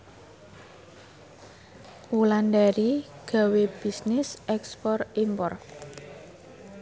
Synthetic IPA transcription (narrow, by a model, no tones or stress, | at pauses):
wulandaɾiɡ̥a̤web̥i̤snɪsʔɛkspɔrimpɔr